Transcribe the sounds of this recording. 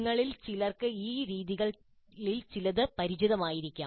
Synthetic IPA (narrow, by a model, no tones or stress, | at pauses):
ŋːɐɭilt͡ɕilɐrkɨiːɾiːðiɣɐɭ | ɭilt͡ɕilɐðɨpɐɾid͡ʑiðɐmaːjiɾikʲːaː